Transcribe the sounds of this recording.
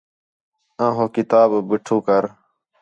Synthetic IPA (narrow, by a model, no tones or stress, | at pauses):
ãːɦõːkɪt̪aːbbɪʈʰũːkəɾ